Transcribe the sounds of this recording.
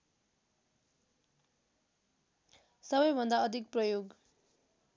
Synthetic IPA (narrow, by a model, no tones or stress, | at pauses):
sʌbʌjbʱʌnd̪aʌd̪ʱik̚prʌjoɡ